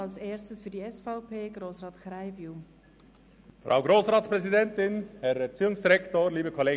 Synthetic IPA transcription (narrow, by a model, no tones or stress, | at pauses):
ɑlseːstəsfyːɐdiɛsfaʊpeːɡroːsrɑːtχraɪbju | frʔa̰ʊɡɾoːsrɑːtsprɛzidɛntɪnhɛɾɛɾt͡siːʊŋsd̥iɾɛktoːɾliːbəkʰɔleːɡ